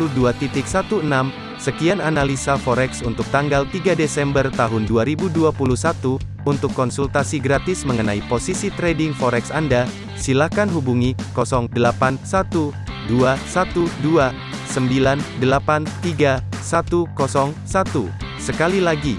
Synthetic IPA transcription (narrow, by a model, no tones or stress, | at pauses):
uduat̪it̪ɪk̚sat̪uənam | səkiananalisafɔɾɛksunt̪ʊk̚t̪aŋɡalt̪iɡadesɛmbərt̪aɦʊnduaɾibuduapulusat̪uː | nt̪ʊkːɔnsult̪asiɡɾat̪ɪsməŋənaiposisit̪ɾedɪŋfɔɾɛksanda | silakanɦubuŋikɔsɔŋdəlapansat̪uduasat̪udua | səmbilandəlapant̪iɡasat̪ukɔsɔŋsat̪u | səkalilaɡi